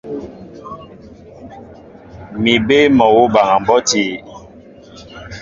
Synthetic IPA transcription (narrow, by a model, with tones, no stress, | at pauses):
mi˨be˦mɔ˨wo˦ba˨ŋa˨m̩˨bɔ˦ti˦˨